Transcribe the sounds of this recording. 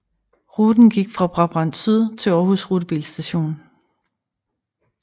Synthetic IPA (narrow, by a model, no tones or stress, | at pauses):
ʁud̥n̩ɡ̥iɡ̥fʁɑ̈b̥ʁɑ̈b̥ʁɑ̈n̰syðˠt͡sʰe̝ɒːhusʁud̥əb̥ḭːlsd̥æɕo̝̰ːn